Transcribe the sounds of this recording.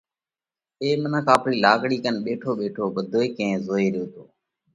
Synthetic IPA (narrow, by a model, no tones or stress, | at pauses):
eːmənəːkaːpɾiːlaːkɽiːkənɓeːʈʰoːɓeːʈʰoːɓəd̪ʱoːeːkẽẽːzoːeːɾɪjoːt̪oː